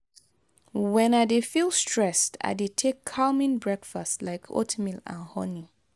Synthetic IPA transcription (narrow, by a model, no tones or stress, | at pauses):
wɛ̃nadefilˠstɹ̥ɛsta̰detʰekʰːalmĩnbɹɛkfastlaɪkʰo̰tʰmilã̰nhɔ̰ni